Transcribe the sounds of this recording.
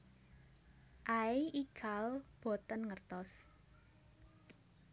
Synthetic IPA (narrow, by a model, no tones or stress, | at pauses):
ʔaeiɡ̥ʰa̤lb̥ɔ̤t̪ənŋərt̪ɔs